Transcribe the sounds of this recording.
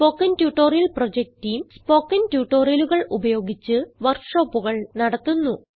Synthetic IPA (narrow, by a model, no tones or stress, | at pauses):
spo̞ːkːɐntjuːʈːo̞ːrijɐlprod͡ʑek̚tːijmspo̞ːkːɐntjuːʈːo̞ːrijɐluɣɐɭʔubɐjo̞ːɡit͡ɕːɨʋɐrkʂo̞ːpːuɣɐɭnɐɽɐt̪ːunːu